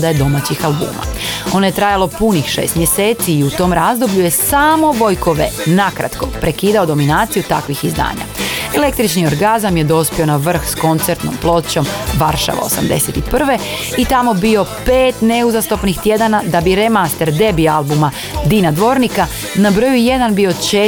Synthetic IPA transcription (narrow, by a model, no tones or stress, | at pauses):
d̪ajed̪o̞mat͡ɕixalˠbṵːma̰o̞no̞je̞t̪ɾajalo̞punixʃḛːst̪mje̞se̞ːt̪siːut̪o̞mɾazd̪o̞bʎuje̞saːmo̞ʋo̞jko̞ʋḛnakɾa̰t̪ko̞pɾe̞kiːd̪ao̞d̪o̞minaːt̪sijut̪akʋixizd̪a̰ːɲa̰e̞le̞k̚t̪ɾit͡ʃnio̞ɾɡazamje̞d̪o̞spio̞naʋr̩xsko̞nt̪se̞ɾt̪no̞̰mplˠo̞t͡ɕo̞mʋaɾʃa̰ʋa̰o̰sa̰md̪e̞̰set̪ipr̩ʋe̞ | it̪amo̞bio̞peːt̪ne̞uzast̪o̞pnixt̪je̞d̪anad̪abiɾemast̪e̞ɾd̪e̞bialˠbuma | d̪inad̪ʋo̞ɾnika | nabɾojuje̞d̪anbio̞t͡ʃe